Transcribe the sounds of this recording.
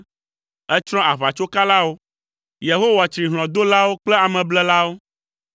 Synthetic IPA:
ɛ˦t͡ʃɾ̃ɔ̃˦a˨βa˨t͡ʃo˦ka˦la˦wo˦ | je˨ɦo˦wa˨t͡ʃɾi˨ɦlɔ̃˨d̪o˦la˦wo˦k͡plɛ˦a˨mɛ̃˨blɛ˦la˦wo˦

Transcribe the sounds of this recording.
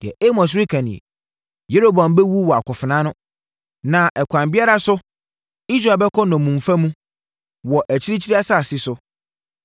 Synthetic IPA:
d̥ɪ˨ɛ̰˨ʔe˦mɔ̃˨s̬ɾi˦kʰã˨nɪ̃˨ḛ˨ | je˦ɾo˦ba˨m˦bɛ˦wu˦wɔ˨a˨kʰʊ˨fɪ˨nã˦nʊ̃˦ | nã˨ʔɛ˨kʷʰã˨mbɪ˦a˦ɾa˨sʊ˦ | i˦s̬ɾa˨bɛ˦kʰɔ˦nɔ̃˨mũ˨ɱ˨fa˦mũ˦ | wɔ˨ʔæ˨t͡ɕʰi˦ɾi˦t͡ɕʰi˦ɾi˦a˦sa˦˨sɪ˦sʊ˦

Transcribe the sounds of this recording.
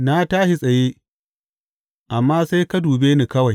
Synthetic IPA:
na˦taː˦ʃi˦sʼɐ˨jeː˦ | ʔa˨mːaː˦sa˦jka˦duː˨beː˦ni˨kɐ˦wa˨j

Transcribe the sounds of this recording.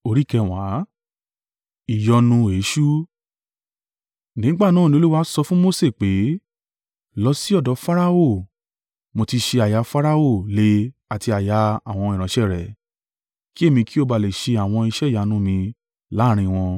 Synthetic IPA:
o˧ɾi˦kɛ˧˨w̃a˨˦ | i˨jɔ˧nũ˧e˨˦ʃu˦ | nĩ˨˦ɡ͡ba˦˨nãː˦˨nĩ˧o˦lu˦wa˦sɔ˧fũ˦mo˦se˦˨k͡pe˨˦ | lɔ˧si˦ɔ˦˨dɔ˨˦fa˦ɾa˦o˦˨ | mo˧ti˧ʃe˧a˨ja˨˧fa˦ɾa˦o˦˨le˧˦a˨ti˧a˨ja˧a˨w̃ɔ̃˧i˨ɾ̃ã˨˦ʃɛ˦˨ɾɛ˨ | ki˦e˦˨mĩ˧ki˦o˧ba˧˨le˨ʃe˧a˨w̃ɔ̃˧i˧ʃɛ˦˨ja˨˦nũ˦mĩ˧ | la˨˦˨ɾ̃ĩ˧w̃ɔ̃˧

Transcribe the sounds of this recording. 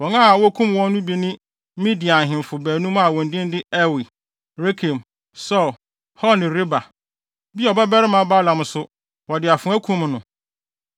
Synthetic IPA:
wɔ˨nã˦a˨wɔ˦kʰũ˦m˨wɔ̃˦nː˦ũ˦bi˦nɪ̃˦ | mĩ˦di˨a˨n˨ɦɪ̃˨m˨fʊ˨bæː˨nũ˦m˦a˨wɔ̃˨n̩˨dɪ̃˦n˦dɪ˦ɛ˦wi˨ | ɾe˦kʰĩ˨m | sɔ˦˨l | hɔ˦nɪ̃˨ɾɪ˦ba˨ | bi˦ɔ˨bɛ˦bɛ˦ɾɪ˦mã˨˦ba˦lã˨m˨sʊ˦ | wɔ˨dɪ˨a˨fʊ̃˨˦æ˦kʰũ˦mnʊ̃˨

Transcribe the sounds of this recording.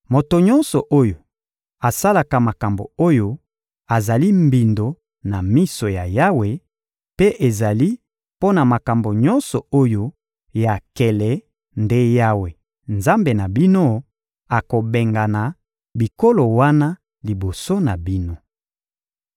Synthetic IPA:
mo˨to˨ɲɔ˦nsɔ˨ʔo˦jo˨ | a˨sa˦la˨ka˨ma˨ka˨mbo̰˨o˦jo˦ | a˨za˨li˦mbi˨ndo˨ | na˨mi˦so˨ja˨ja˦we˨ | pe˦ʔe˨za˨li˦ | po˦na˨ma˨ka˨mbo˨ɲɔ˦nsɔ˨o˦jo˦ | ja˨kɛ˨lɛ˨ | nde˦ja˦we˨ | nza˦mbe˨na˨bi˦no˦ | a˨ko˨be˨ŋɡa˨na˨ | bi˨ko˦lo˨wa˦na˦ | li˨bo˨so˦na˨bi˦no˦

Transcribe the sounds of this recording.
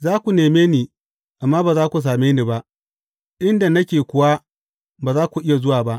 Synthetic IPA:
zaː˦kʷu˨neː˨meː˦niː˨ | ʔa˨mːaː˦baː˨zaː˦kʷu˨s̬aː˨meː˦niː˨ba˦ʔ | ʔɪ˦nda˨nɐ˦kʲeː˨kʷʊ˨wa˦ | baː˨zaː˦kʷu˨ʔɪ˦ja˨zʊ˦waː˨ba˦ʔ

